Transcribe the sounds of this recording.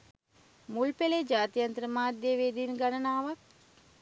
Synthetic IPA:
mulpeled͡ʒaːt̪ijant̪əɾəmaːd̪jəʋeːd̪iːnɡanənaːʋak̚

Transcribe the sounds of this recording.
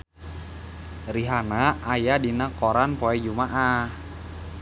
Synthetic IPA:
riɦanaajadinakoɾanpɔɛd͡ʒumaʔa

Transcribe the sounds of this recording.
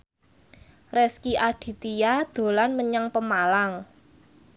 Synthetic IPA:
rɛskiʔaɖ̥i̤t̪ijad̪̥o̤lanməɲaŋpəmalaŋ

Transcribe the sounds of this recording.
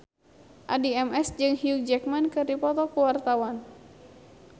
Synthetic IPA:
ʔadiɛmɛsd͡ʒɨŋɦiuk̚d͡ʒɛk̚mankɨrdipɔt̪ɔkuwart̪awan

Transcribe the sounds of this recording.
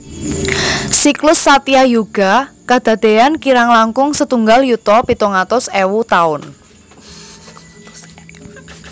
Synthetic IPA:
siklʊsːat̪iajuɡ̥a̤kad̪̥a̤d̪̥e̤ankiɾaŋlaŋkʊŋsət̪uŋɡaljut̪ɔpit̪uŋat̪ʊsewut̪aʊn

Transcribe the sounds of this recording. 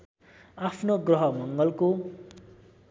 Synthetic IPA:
apʰnoɡrʌɦʌmʌŋɡʌlko

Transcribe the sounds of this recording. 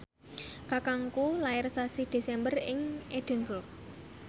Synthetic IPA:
kakaŋkulaɪrsasid̪̥e̤sɛmbərɪŋed̥ə̤nbʊl

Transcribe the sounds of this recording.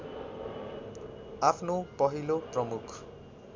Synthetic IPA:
apʰnopʌɦiloprʌmukʰ

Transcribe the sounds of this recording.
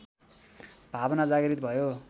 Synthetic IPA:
b̥ʱabʌnad͡zaɡʌɾit̪bʱʌjo

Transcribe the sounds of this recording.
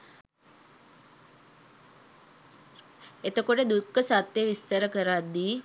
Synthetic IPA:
et̪əkoʈəd̪ukːəsat̪jeʋist̪əɾəkəɾad̪ːiː

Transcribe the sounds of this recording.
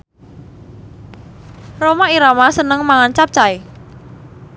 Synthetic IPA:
romaiɾamasənəŋmaŋant͡ʃap̚t͡ʃae

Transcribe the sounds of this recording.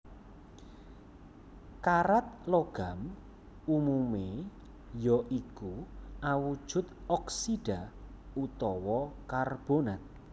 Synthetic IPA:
kaɾat̪̚loɡ̥am | umume | jɔʔikuʔawud̥ʒ̥ʊ̤t̪ɔksiɖ̥a | ut̪ɔwɔkarb̥onat̪̚

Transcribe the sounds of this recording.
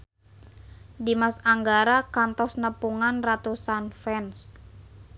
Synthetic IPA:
dimasaŋɡaɾakant̪ɔsnəpuŋanrat̪usanfɛns

